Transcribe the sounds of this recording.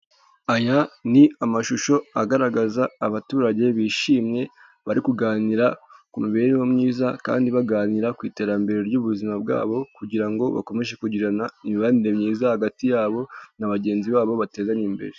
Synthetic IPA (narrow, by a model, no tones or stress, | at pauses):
ajaniamaʃuʃo̞aɡaɾaɡazaːβatuːɾaɟe̞βiːʃiːmɲe̞ | βaɾikuɡaːniɾakumuβe̞ːɾewomɲiːzaka̰ːndiβaɡaːniɾakwiːte̞ːɾambe̞ɾeɾɟuβuzimab̚ɡa̰ːβo̞kuɟiɾaŋɡo̞βa̰ko̞me̞ʒe̞kuɟiɾanaimiβaniɾe̞mɲiːzahaɡatijaːβo̞naβaɟe̞ːnziβaːβo̞βate̞ːzanimbe̞̰ɾe